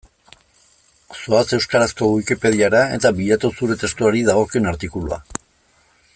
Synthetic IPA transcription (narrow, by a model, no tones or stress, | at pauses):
soase̞wskaɾasko̞ɣwikipe̞ð̞iaɾae̞̰t̪aβiʎat̪usuɾe̞t̪e̞st̪uaɾiðaɣ̞o̞kenaɾt̪ikulṵa̰